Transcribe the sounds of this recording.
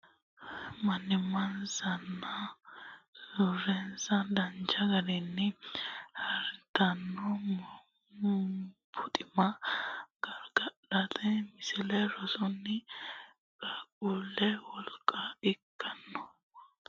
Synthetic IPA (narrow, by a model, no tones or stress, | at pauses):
mɐnɪmɐnzɐnːɐ | zuɾɛnzɐd̪ɐnt͡ʃːɐɡɐɾɪnːɛhɐɾt̪ɐnːɔ | pʰʊt̪ʼɪmɐɡ̥ɐɾɡɐɗɐt̪ɛmɪsɪlɛɾɔsʊnːɪ | kʼɐkʼuːlɛwɔlkʼːɐɪkʰːɐnːɔ